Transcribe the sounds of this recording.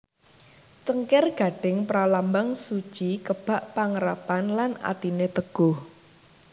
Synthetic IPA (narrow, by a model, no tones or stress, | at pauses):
t͡ʃəŋkɪrɡ̥a̤ɖ̥ɪŋpɾalambaŋsu̥t͡ʃikəb̥a̤ʔpaŋəɾapanlana̰t̪inet̪əɡ̥ʊh